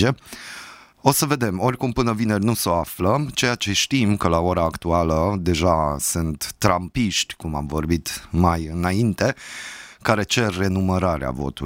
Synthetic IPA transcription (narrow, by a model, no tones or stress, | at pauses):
e | o̞səve̞d̪e̞mo̞rʲkumpɨnəvine̞rʲnuso̞aflət͡ʃe̞jat͡ʃe̞ʃt̪imkəlaoɾaːkt̪ualəd̪e̞ʒasunt̪ːɾampiʃt̪ʲkuma̰mvo̞rbit̪majɨnaint̪e̞kaɾe̞t͡ʃe̞rːe̞numəɾaɾea̰vo̞̰t̪u